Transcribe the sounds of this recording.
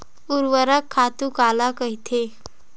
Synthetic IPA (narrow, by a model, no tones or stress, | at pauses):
uɾʋəɾakʰːat̪ukalakəɦit̪ʰe